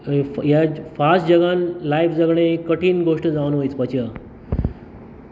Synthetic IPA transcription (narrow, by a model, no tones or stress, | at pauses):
jafasd͡ʑəɡãnlajfd͡zəɡɽẽkəʈiːnɡʱoʂʈəd͡zaʋnʋojt͡spət͡ɕjə